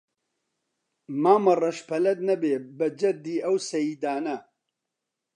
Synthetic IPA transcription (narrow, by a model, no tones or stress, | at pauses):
maːmɐrɐʃpʰɐlɐd̪̚nɐbeːbɐd͡ʒɐd̪iːɐwsɐjiːd̪aːnɐ